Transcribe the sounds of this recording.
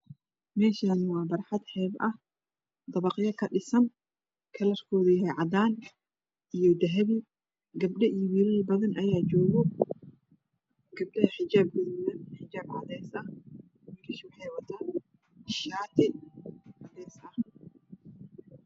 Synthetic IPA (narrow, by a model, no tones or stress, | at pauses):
mɛːʃaːnɪwɑːbɐɾħɑd̪ħɛːbʔɐh | d̪ɐβɐqɪjɐkʰɐɗɪsɐn | kʰɐlɐrkʰɔːðʊjɦɛjʕɑd̪aːn | ʔijɔd̪ɐɦɐβi | ɡɐbɗɐʔijɔwiːlɪlbɐðɐnʔɐjaːd͡ʒɔːɣɔ | ɡ̥ɐb̚ɗɐhɐħɪd͡ʒaːb̚kɐðɪnɐnħɪd͡ʒaːb̚kɐðɛːsɐ | wiːɾɪʃwɑħɑjwɐt̪ʰaːn | ʃaːt̪ʰɛ | ɐd̪ɛːsaːχɪ